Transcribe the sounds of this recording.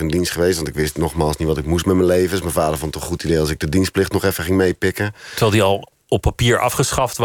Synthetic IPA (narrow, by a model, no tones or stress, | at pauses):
əndinstχəʋeːstʋɔntɪkʋɪstnɔχmaːlˠsnitʋɔtɪkmustmɛmənleːvəsmənfaːdərfɔntɔχutideːɔlˠsɪɡ̚dədinsplɪxtnɔχɛfəχɪŋmejpɪkətəʋɛlˠdiɑlˠ | ɔpʰːapiːəɹʔa̰fχəsχɑft